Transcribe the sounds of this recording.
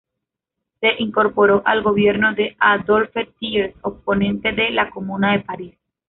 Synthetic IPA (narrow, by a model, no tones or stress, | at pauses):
se̞ʔiŋko̞ɾpo̞ɾo̞ʔalɡo̞βje̞ɾno̞ðe̞ad̪o̞lfet̪iesopo̞nẽ̞nt̪e̞ðelako̞mũnaðe̞paɾis